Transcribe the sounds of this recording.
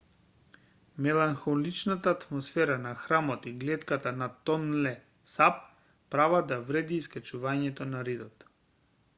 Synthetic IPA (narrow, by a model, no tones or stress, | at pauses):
mɛlˠaŋxɔlit͡ʃnat̪aːt̪mɔsfɛɾanaxɾamɔt̪iɡlɛt̪kat̪anat̪ɔnlɛ | sap̚ː | ɾavad̪avɾɛd̪iːskat͡ʃuvaɲɛt̪ɔnaɾid̪ɔt̪